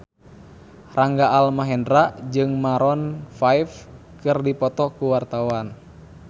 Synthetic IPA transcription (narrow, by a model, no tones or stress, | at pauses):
raŋɡaːlmaɦɛndɾaʔd͡ʒɨŋmaɾɔnfajfkɨrdipɔt̪ɔkuwart̪awan